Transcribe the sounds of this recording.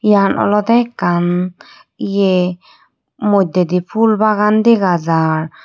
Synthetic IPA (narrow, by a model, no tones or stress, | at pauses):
ijanɔ̰lɔd̪ɛkan | ije | mɔd̪ɛd̪ipʰulbaɡand̪ɛɡazaɾ